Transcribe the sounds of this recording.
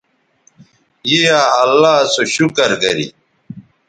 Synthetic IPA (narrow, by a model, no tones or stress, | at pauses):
jeaɐlːaːsoɕukɐɾɡɐɾḭ